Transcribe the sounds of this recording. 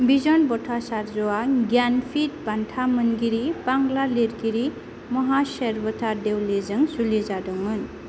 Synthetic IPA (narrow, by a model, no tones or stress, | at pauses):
bizɔnbɔtʰasaɾzɔwaɡjanpʰit̚bantʰamɯnɡiɾipaŋlaleɾɡiɾi | mɔɦaseɾbɔtʰadewlezɯŋsulizadɔŋmɯn